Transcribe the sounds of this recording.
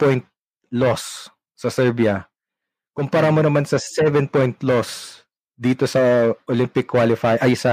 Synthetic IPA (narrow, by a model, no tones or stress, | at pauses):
pojnt̪̚ | los | sɐsɛɹbiɐ | kʊmpɐɾɐmonɐmansɐsɛvɛnpojnt̪los | d̪iːt̪osɐʔolɪmpɪkːwalɪfajʔɐjsɐ